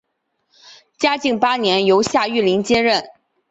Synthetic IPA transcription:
t͡ɕja˥t͡ɕi˥˩ŋpa˥njɛ˧˥njo˧˥ʊɕja˥˧y˥˩li˧˥ŋt͡ɕjɛ˥ɻə˥˩n

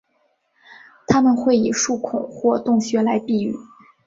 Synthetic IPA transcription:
t̪ʰa˥mə˨nxwe˥˩ɪi˨˩ʂu˥˩kʰʊ˨˩ŋxwɔ˥˧t̪ʊ˥˩ŋɕɥɛ˧˥la˧˥ɪpi˥˧y̰˨˩˦

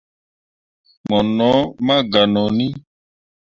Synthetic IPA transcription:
mɔ˨nɔ̃˨˦mã˦ɡa˨nɔ̃˨nĩ˦

